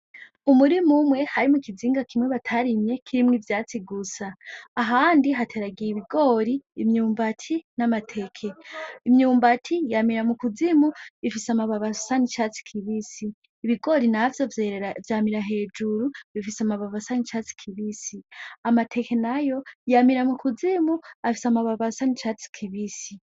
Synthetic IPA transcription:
umuɾimumwe̞haɾimukiziːŋɡakimweβatʰaɾimɲe̞kʰiɾimŋivjaːt͡siɡusaːɦaːndiɦatʰe̞ɾaɡijiβiɡo̞ːɾiːmɲuːmbatʰinamatʰe̞kʰe̞imɲuːmbatʰijamiɾamukuzimuβifisamaβaβasanit͡ʃat͡si̥kʰiβisiː | βiɡo̞ɾinavjo̞vvjaːmiɾaɦe̞ːd͡ʒuɾuβifisamaβaβasanit͡ʃat͡si̥kʰiβisiamatʰe̞ke̞najo̞jamiɾamukuzimuafisamaβaβasanit͡ʃaːt͡si̥kʰiβisi

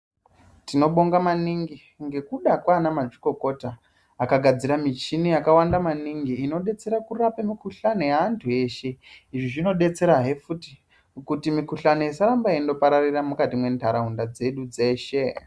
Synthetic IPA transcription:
tino̞ɓo̞ŋɡamaniŋɡi | ŋɡe̞kuɗakwanamaʐiko̞ko̞taː | kaɡʱad͡ziɾamit͡ʃinijakawandamaniŋɡiːno̞ɗe̞t͡se̞ɾakurapemikuɬane̞jaːntʰue̞ːʃe̞iʐiʐino̞ɗe̞t͡se̞ɾaɦe̞futi̥ | kutimikuɬanojisaɾambaindo̞paɾariramukatimwe̞ndʱaɾaɦundad͡ze̞ɗud͡ze̞ːʃe̞

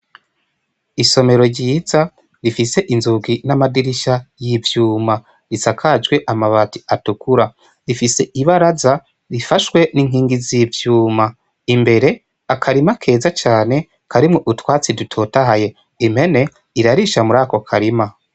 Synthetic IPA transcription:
iso̞me̞ɾo̞ɾɟiːza | ɾifise̞ʔinzuɡinamadiɾiʃajivjuːma | ɾisakʰad͡ʒɡwe̞ʔamaβati̥atukuɾa | ɾifise̞ʔiβaɾaza | ɾifaʃwe̞niŋ̥iːŋɡizivjuːma | imbe̞ɾe̞ | akʰaɾimakʰe̞ːzat͡ʃaːne̞ | kʰaɾimŋo̞ʔutwaːt͡sidutʰotaɦaje̞ | im̥e̞ne̞ | iɾaɾiʃamuɾaːko̞kʰaɾima

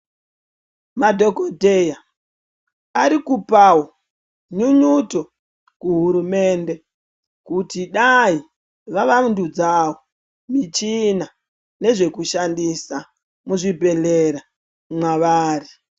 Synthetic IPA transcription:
madʱo̞kodʱeja | aɾikupawo | ɲuɲuto | kuɦuɾume̞ːnde̞ | kutiɗai | ʋaʋandud͡zawo | mit͡ʃina | ne̞ʐe̞kuʃandisa | muʐibʱe̞leɾa | mwaʋaːri

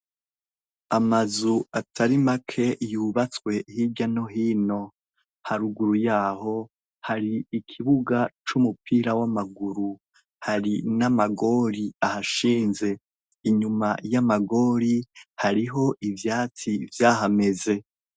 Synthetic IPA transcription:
amazuatʰaɾimakʰe̞juːβat͡swe̞hiɟano̞ɦiːno̞ | haɾuɡuɾujaːho̞ | haɾiːkʰiβuɡat͡ʃumupʰiːɾawamaɡuɾu | haɾinamaɡo̞ːɾiahaʃiːnze̞ | iɲumajamaɡo̞ːɾihaɾiɦo̞ʔivjaːt͡sivjaːɦame̞ze̞

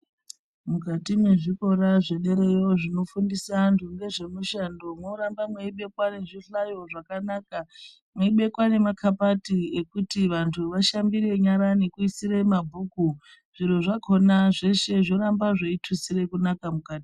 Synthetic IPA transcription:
mukatimwe̞ʐiko̞ɾaʐe̞ɗe̞ɾe̞jo̞ʐino̞fundisantʰuŋɡe̞ʐe̞muʃando̞mwoɾambamweiɓe̞kwane̞ʐiɬajo̞ʐakanaka | mweiɓe̞kwane̞makʰapatiekutiʋantʰuʋaʃambire̞ɲaɾanikuisiɾemabʱuːku | ʐ̥iɾoʐakʰo̞naʐe̞ʃe̞ʐoɾambaʐaitʰusire̞kunakamukaːti

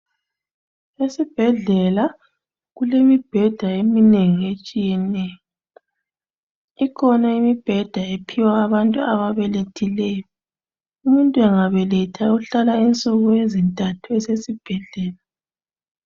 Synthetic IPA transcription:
esib̥ʱɛɮɛla | ɣulemib̥ʱɛd̥ʱaemineŋiet͡ʃʼijɛnɛjɔ | ikʰɔnaimib̥ʱɛd̥ʱaepʰiwaːβantʼuaβaβɛletʰilɛjɔ | umuntʼuɛŋaβɛlɛtʰauɬalaint͡sʼuɣuezintʼatʰuɛsesib̥ʱɛɮɛːla

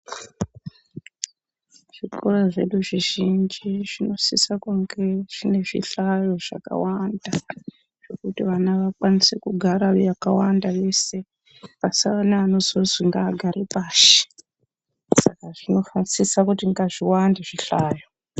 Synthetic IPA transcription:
ʐ̥ikoraʐe̞ɗuʐiʒind͡ʒiʐino̞sisakuŋɡeʐ̥ine̞ʐḭɬajo̞ʐ̥a̰ka̰wanda | ʐ̥e̞kutiʋanaʋakwanisekuɡʱaɾajakawandaʋe̞se̞ | pasiʋanaːno̞zoziŋɡaːɡʱaɾipaːʃi̥ | sakaʐino̞fasisakutiŋɡaʐiwandeʐiɬaːjo

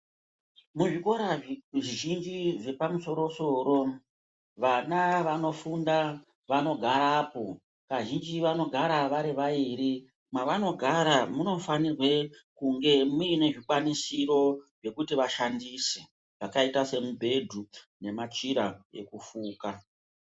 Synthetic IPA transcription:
muʐiko̞ɾaʐiʒind͡ʒiʐe̞pamuso̞ɾo̞so̞ɾo̞ | ʋanaʋano̞funda | ʋano̞ɡʱaɾaːpo̞ | kaʒind͡ʒiʋano̞ɡʱaɾaʋaɾiʋaiːɾi | maʋano̞ɡʱaɾamuno̞fanirwe̞kuŋɡe̞muine̞ʐikwanisiɾo̞ʐe̞kutiʋaʃandise | ʐakaitase̞mubʱe̞dʱu | ne̞mat͡ʃiɾae̞̰kufuːka

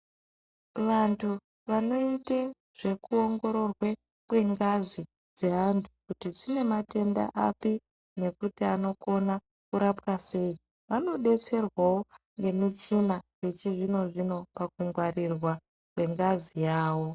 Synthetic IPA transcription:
ʋantʰu | ʋano̞ite | ʐ̥e̞kuo̞ŋɡo̞ɾo̞rwe | kwe̞ŋɡazi | d͡zeɦandʰukutid͡zine̞mate̞nda̰ʔapi | ne̞kutiano̞ko̞na | kuɾapwase̞i | ʋano̞ɗe̞t͡se̞rwawo̞ | ŋɡe̞mit͡ʃinaje̞t͡ʃiʐino̞ʐino̞pak̚uŋɡwarirwa | kwe̞ŋɡazijaːwo̞

